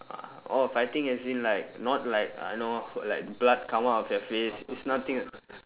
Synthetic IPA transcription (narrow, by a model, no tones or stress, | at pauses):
a̰ | ɔifajt̪ĩŋɛsbĩnlaɪk̚nɔt̚laɪk̚a̰jnolaɪk̚əblad̚kʰãmaɔfjəfesisnat̪ĩŋ